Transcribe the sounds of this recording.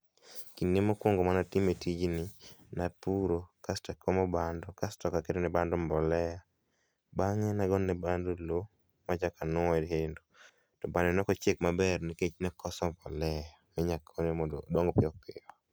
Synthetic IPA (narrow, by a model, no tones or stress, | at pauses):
kinemokwɔŋɡomanatimetid͡ʒnɪnapuɾokastɛkʰɔmɔbandɔkastɔkaketonɛbandɔmbɔlɛja | baŋɛnaɡɔnːɛbandolo | mad͡ʒakanʊɔɾɦendo | tɔbanɛnɔkɔt͡ʃek̚mabɛrniket͡ʃnɛkʰɔsɔmbɔlɛjamɛɲakʰonemɔdo̰dɔŋɡɔpɪɔkːeɔ